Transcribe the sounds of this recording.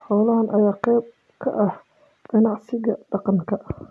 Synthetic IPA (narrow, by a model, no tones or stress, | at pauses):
ħɔːlɐɦɐnʔɐjaːqɛjb̚ | kʰɐ̰ʔɐh | ɡ̥ɐnɑʕsɪɣɐɖ̥ɑqɑŋkʰɐ